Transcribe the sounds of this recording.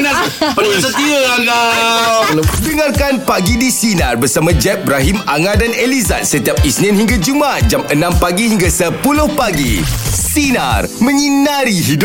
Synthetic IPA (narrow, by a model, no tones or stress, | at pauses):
napənasət̪iəanda | dəŋarkanpaɡidisinarbərsamãd͡ʒɛp̚bɾaɦimaŋãdaneliza̰t̪̚sət̪iap̚isnĩnhiŋɡad͡ʒumat̪̚d͡ʒamənãmpaɡihiŋɡasəpulʊhpaɡisina̰rmə̃ɲinaɾiɦid